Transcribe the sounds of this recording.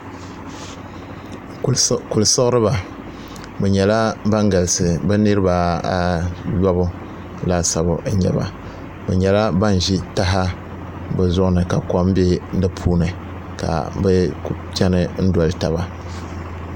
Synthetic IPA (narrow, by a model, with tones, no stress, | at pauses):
ku˨lsɨ˦ɣɨ˦ɾɨ˦ba˨ | bɛ˨ɲɛ˨la˦ba˦ŋɡa˨lsɨ˨bɛ˦nɨ˦ɾɨ˦ba˨a˨jɔ˦bʊ˦ | la˦sa˨bʊ˨ʔɲɛ̰˦ba̰˨ | bɛ̰˨ɲɛ˨la˦ba˦n˨ʒi˦ta˦ɦa˦ | bɛ˨zʊ˦ʔnɨ˨ka˨kɔ˦m˦be˦n̩˦dɨ˦pʰuː˦nɨ˨ | ka̰˨bɛ˦ | t͡ʃɛ˦nɨ˦n̩˦dɔ˨lɨ˦ta̰˨ba˨